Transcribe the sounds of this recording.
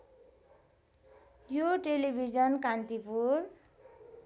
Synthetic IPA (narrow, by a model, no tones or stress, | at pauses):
joʈelibʱid͡zʌnkant̪ipur